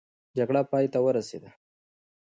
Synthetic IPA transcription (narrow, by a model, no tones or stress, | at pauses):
d͡ʒaɡɽapɑːjt̪awəɾasḛd̪a